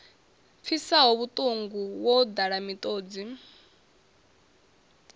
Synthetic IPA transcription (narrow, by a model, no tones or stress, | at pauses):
p̪fʰisaɦoβut̪ʼuŋɡuwod̪aɺamit̪ʼoːd͡zi